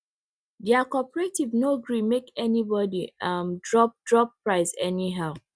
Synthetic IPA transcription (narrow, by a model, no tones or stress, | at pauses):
dɛakɔpəɹetivnoɡɹimekɛnibɔdiʌmdɹɔp̚dɹɔp̚pɹaɪsɛniɦaʊ